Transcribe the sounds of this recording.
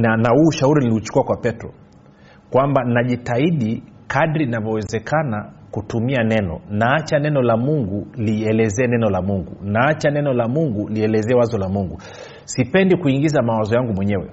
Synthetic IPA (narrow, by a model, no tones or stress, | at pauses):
anahuːʃauɾiniliut͡ʃu̥kuakwapɛtɾɔ | kwambanaʄitaiɗi | kaɗɾinavɔwɛzɛkʰanakutumianɛnɔ̰naat͡ʃanɛnɔlamuŋɡuliɛlɛzɛːnɛnɔlamuŋɡṵnaat͡ʃanɛnɔlamuŋɡuliɛlɛzɛwazɔlamuŋɡu | sipɛndikuiŋɡizamawazɔjaŋɡumwɛɲɛwɛ̰